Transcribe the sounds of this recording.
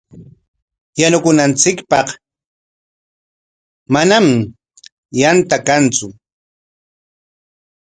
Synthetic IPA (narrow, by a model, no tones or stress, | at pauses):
janʊkʊnant͡sɪkpɑq | manam | jant̪akant͡sʊ